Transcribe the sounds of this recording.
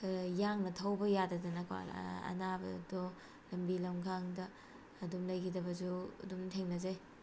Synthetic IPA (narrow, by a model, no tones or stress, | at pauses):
jaŋnɐtʰɐwbɐjadɐdɐnɐka̰ɐ̰nabɐ̰dɔ | lɐmbilɐmɡʰaŋdɐː | dumlɐjkʰidɐbɐzuɐ̰dumtʰeŋnɐzaj